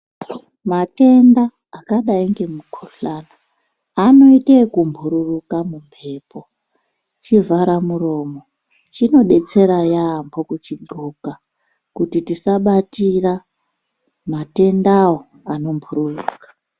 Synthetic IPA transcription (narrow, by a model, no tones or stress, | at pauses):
mate̞ndaː | kaɗaiŋɡe̞mukʰuɬanaː | no̞itekumbʱuɾurukamumbʰʱe̞ːpo̞ | t͡ʃivaɾamuro̞ːmo̞ | t͡ʃino̞ɗe̞t͡se̞ɾajambo̞kut͡ʃiɡuka | kutitisaɓatira | mate̞ndawo | ano̞mbʱuɾurukḁ